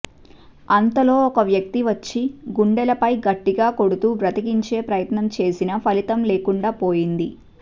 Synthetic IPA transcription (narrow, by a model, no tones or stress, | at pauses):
ɐnt̪ɐlo̞ːɔkɐʋjɐk̚t̪iʋɐt͡ʃːiɡuɳɖɛlɐpɐjɡɐʈːiɡaːko̞ɽut̪uːʋɾɐt̪iɡiɲt͡ʃe̞ːpɾɐjɐt̪nɐmt͡ʃe̞ːsinɐpʰɐlit̪ɐmle̞ːkuɳɖaːpoːjind̪i